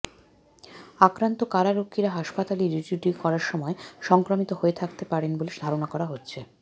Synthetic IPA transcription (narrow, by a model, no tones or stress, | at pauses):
akɾant̪okaɾaɾokʰːiɾaɦaʃpat̪aliɾid͡ʑuɖikɔɾaɾʃɔmɔeʃɔŋkɾomit̪oɦoet̪ʰakt̪epaɾenboleʃd̪ʱaɾonakɔɾaɦotːɕʰe